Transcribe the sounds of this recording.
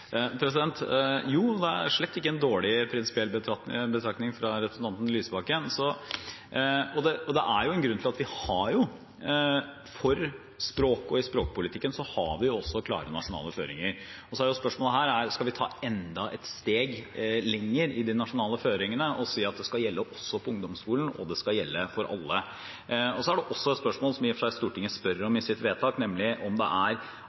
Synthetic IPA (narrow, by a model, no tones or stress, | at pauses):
pʰɾɛsɪd̪ɛnt̪juːd̪ɛæ̰ʂɭɛt̪ːɪkːəɛnd̪oːɭɪpʰɾɪnsɪ̥pɪɛlbət̪ʰɑbət̪ʰɾɑknɪŋfɾɑɾɛpɾəsn̩t̪ɑnt̪nlyːsbɑkənsɔ | ɔd̪ɛɔd̪ɛʔæɾjʊɛnɡɾʉnt̪ɪlɑt̪ʋɪhɑɾjʊ | fɔɾ | spɾoːkɔɪspɾoːk̚pʰʊlɪt̪ʰɪkːənsɔhɑ̰ʋɪjʊɔsːɔɔkʰlɑ̰ːɾənɑʂʊnɑ̰ːləføːɾɪ̰ŋəɾɔsɔæɾjʊspœʂmoːləɦæːɾæɾskɑlʋɪt̪ʰɑ̰ːɛnd̪ɑʔɛt̪st̪eːɡlɛŋːəɾɪd̪ɪnɑʂʊnɑːləføːɾɪŋənəʔɔsiːɑt̪̚d̪ɛskɑljɛlːəʔɔsːɔpʰɔʊŋd̪ɔmskuːlən̩ɔ̰d̪ɛskɑljɛlːəfɔɾʔɑ̰lːə | ɔsɔæɖɛʔɔsːɔɛt̪spœʂmoːlsɔmjɪfʂæɪst̪uːʈɪŋːəspœɾəɾɔmɪsɪt̪ʋeːt̪ʰɑːknɛmlɪʔɔmd̪ɛ̰ʔæɾ